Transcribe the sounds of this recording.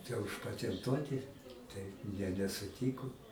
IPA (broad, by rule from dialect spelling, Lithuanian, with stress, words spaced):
tʲæː ʊʃpɐtʲɛnˈtuɔtʲɪ ˈtɐɪ jiɛ nʲɛsʊˈtʲiːkʊ